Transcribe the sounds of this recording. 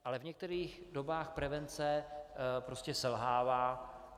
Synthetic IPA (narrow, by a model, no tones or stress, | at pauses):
ʔalɛvɲɛk̚t̪ɛɾiːɣ | dobaːxpɾɛvɛnt͡sɛpɾo̞scɛsɛlɦaːvaː